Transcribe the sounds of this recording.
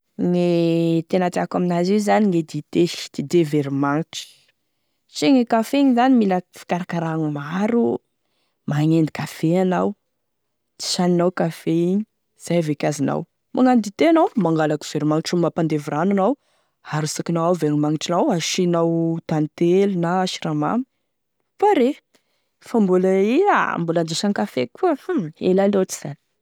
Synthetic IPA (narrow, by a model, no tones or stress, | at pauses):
ŋet̪enat̪eakaminaziwzaniŋed̪it̪ed̪̥id̪eveɾimaŋʈ͡ʂi̥ | siŋikafeiɲizanimilafi̥kaɾakaɾaŋmaɾu | maŋend̪ikafeanaw | t̪i̥ʃaninawkafeiɲi | z̥ajavekʲazina̰w | mʔaŋand̪it̪enawmaŋɡalaku̥z̥eɾimaŋiʈ͡ʂumapand̪eviɾanunaw | aɾusakinawawveŋimaŋiʈ͡ʂinawaʃinawt̪ant̪elnaʃi̥ɾama̰mi | faɾe | fambulaia̰mbuland͡ʒiʃankafekuəelanat͡si̥z̥ani̥